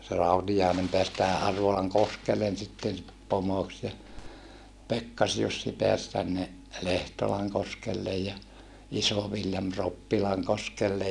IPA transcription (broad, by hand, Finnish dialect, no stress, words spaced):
se rɑutijɑˑenem peæs tæhæ ʔɑrʋolɑŋkoskelːen sitːen pomoks jɑ pekːɑsjusːi peæs tænːe lehtolɑŋkoskelːej jɑ isoʋiljɑm ropːilɑŋkoskelːej